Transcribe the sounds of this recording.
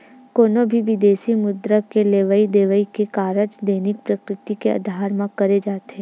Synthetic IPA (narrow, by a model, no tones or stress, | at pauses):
koːnobʱiʋɪd̪eːsimʊd̪ɾəkeleːʋəid̪eːʋəikekaːɾəd͡ʒd̪eːnɪk̚pɾəkɾɪt̪ikeɐ̰d̪ʱaːɾmãkɐɾed͡ʒaːt̪ẽː